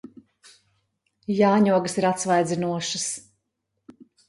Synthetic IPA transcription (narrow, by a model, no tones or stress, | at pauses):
jaːɲuɔɡəsiɾat̪svajd̪zʲinuɔʃɐs